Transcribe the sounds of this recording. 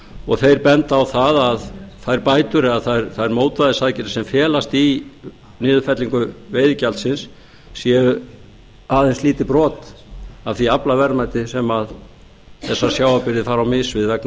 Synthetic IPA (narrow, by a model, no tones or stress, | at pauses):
ɔɣθejɾpɛnt̪awθaðaðθaðɾpaːjt̪ʏɾɪaðθaðɛɾθaðɛɾmoːwt̪vaðɪsacɪɾ̥sɛmfjɛːlast̪i | nɪːðʏfɛt̪liŋkʏveːjðɪcalt̪sɪnsː | jɛ | aːðejnsliːt̪ɪpɾɔːt̪aðθiaplavɛɾmajt̪ɪsɛmað | θɛsːḁsjaːwapɪɾðɪfaːɾawmɪsvɪðvɛkn